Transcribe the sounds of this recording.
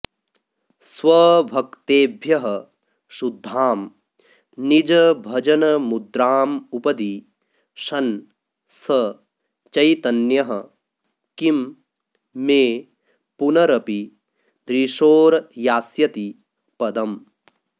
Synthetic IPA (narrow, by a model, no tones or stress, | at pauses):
swɐbʱɐkt̪eːbʱjɐɦɐ | ʃud̪ʱːaːm | nid͡ʒɐbʱɐd͡ʒɐnɐmud̪ɾaːmupɐd̪i | ʃɐn | sɐ | t͡ʃɐjt̪ɐnjɐɦɐ | kimː | eː | punɐɾɐpi | d̪ɾiʃoːɾjaːsjɐt̪i | pɐd̪ɐm